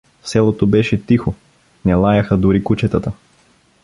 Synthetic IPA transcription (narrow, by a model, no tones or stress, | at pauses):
sɛlˠot̪obɛʃɛt̪ixo | nɛlˠajɐxəd̪ʊɾikut͡ʃɛt̪ət̪ə